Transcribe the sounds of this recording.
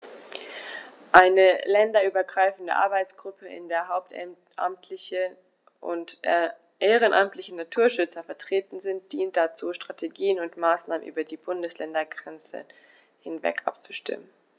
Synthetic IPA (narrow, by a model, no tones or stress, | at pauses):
ʔaɪnəlɛndɐʔyːbɐɡʁaɪfn̩də̰ʔa̰ɐbaɪt͡sɡ̥ʁʊpʰəɪ̰ndeːɐɦaʊp̚t | ʔa̰mtʰlɪçə | ʔʊ̰nt | ʔeːʁ̞ənʔamtlɪçənatʰuːɐʃʏt͡sɐfɛɐtʁ̥eːtn̩zɪnt̚d̥iːnt̚d̥at͡suːʃtʁ̥atʰeɡiːənʊntmaːsnaːmə̰nʔyːbɐdiːbʊndəslɛndɐɡʁɛnt͡sə̰ | hɪnvɛ̰kʰʔa̰p̚t͡su̥ʃtɪ̰mən